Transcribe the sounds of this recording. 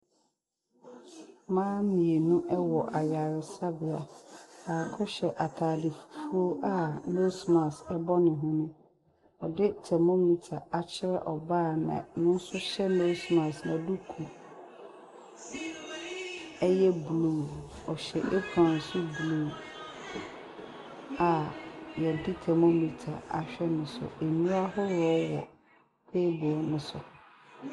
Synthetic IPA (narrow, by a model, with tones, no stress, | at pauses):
mãː˦mĩ˨e˨nũ˦ʔɛ˦wɔ˨ʔa˨ja˨ɾɪ˨sa˦bɪ˨a˨aː˨kʰɔ˦ɕɛ˨ʔa˨tʰaː˨dɪ˨fu̥˨fu˦o˦ʔa˦no˦smã˨sɛ˦bɔ˦nɪ̃˨ɦʊ̃˦nʊ̃˦ | ɔ˨dɪ˦tʰɛ˨mɔ̃˦mĩ˦tʰa˨a˨t͡ɕʰɪ˦ɾɛ˦ʔɔ˨baː˦˨nã̰˨nʊ̃˦n̩˦sʊ˦ɕɛ˦no˦smã˨snã˨du˦kʰu˨ | ɛ˦jɛ˦blu˦˨ɔ˨ɕɛ̰˨ʔe˦pʰɾã˨n˨sʊ˦blu˦˨ | a˨jɛ˨dɪ˦tʰɛ˨mo˦mĩ˦tʰa˨a˨ɕᶣɛ˦nʊ̃˨sʊ̰˨e˨nũ˦a˦hʊ˦ɾɔ˦wɔ˨ | pʰeː˦bɔ˨nʊ̃˦sʊ˨